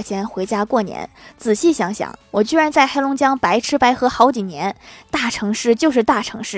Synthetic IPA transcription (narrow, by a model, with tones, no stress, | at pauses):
t͡ɕʰjɛ˧˥nxwe˧˥ɪt͡ɕja˥kwɔ˥˩njɛ̰˧˥nt͡sɹ̩˨˩ɕi˥˩ɕjɑ˧˥ŋɕjɑ̰˨˩˦ŋwɔ˨˩t͡ɕy˥ɻa˧˥nt͡sa˥˩ɪxa˥ɪlʊ˧˥ŋt͡ɕjɑ˥ŋpa˧˥ɪʈ͡ʂʰɻ̩˥pa˧˥ɪxɤ˧˥xɑ˧˥ʊt͡ɕi˨˩njɛ˧˥nt̪a˥˩ʈ͡ʂʰɤ˧˥ŋʂɻ̩˥˧t͡ɕjo˥˧ʊʂɻ̩˥˧t̪a˥˩ʈ͡ʂʰɤ̰˧˥ŋʂɻ̩˥˩